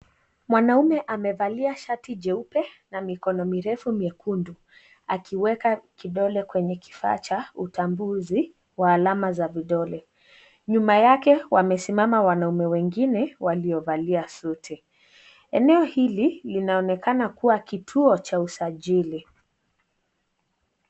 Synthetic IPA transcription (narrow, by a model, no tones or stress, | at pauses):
mwanaumɛʔamɛvaliaʃatid͡ʒɛupɛ | namikɔnɔmiɾɛfumiɛkundu | akʰiwɛkakiɗɔlɛkwɛɲɛki̥fa̰ːt͡ʃautambuzi | waːlamazaviɗɔlɛ | ɲumajakɛwamɛsimamawanaumɛwɛŋɡinɛwaliɔvaliasutʰɛ | ɛnɛɔhililinaɔnɛkanakuwakitʰuɔt͡ʃausaʄili